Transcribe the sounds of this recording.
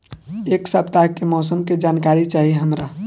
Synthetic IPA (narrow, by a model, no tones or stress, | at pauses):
eːksəpt̪akemɔːsəmked͡ʒaːnkaɾit͡ʃaːɦiɦəmɾa